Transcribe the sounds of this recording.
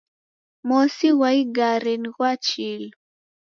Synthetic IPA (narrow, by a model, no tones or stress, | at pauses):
mɔsiwaiɡaɾɛniɣwat͡ʃil